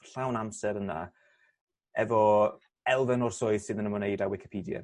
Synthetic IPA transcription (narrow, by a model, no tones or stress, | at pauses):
ɬawnamsɛɾəna̰ | ɛvɔ | ɛlˠvɛnɔrsʊɨðsɪðənəmɔnejdawɪkʰɪ̥pʰiːdja̰